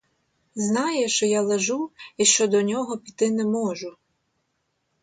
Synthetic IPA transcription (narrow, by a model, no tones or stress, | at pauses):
znɑjɛʃt͡ʃɔjalˠeʒuiʃt͡ʃɔd̪ɔnʲɔɦɔpʲit̪ɪnɛmɔʒʊ